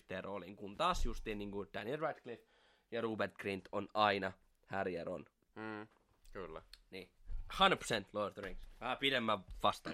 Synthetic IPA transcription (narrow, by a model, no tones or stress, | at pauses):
t̪eroliŋkunt̪ɑːsjust̪iːnniːŋɡ̥ud̪̥ænielrɑt̪klif | jɑruːbert̪ɡ̥rint̪ʰonɑinɑ | hærjeɾo̰n | kylːniːhɑ̃ndəpʰsent̪lord̪riŋksʋæhæpidemːæʋɑst̪ɑ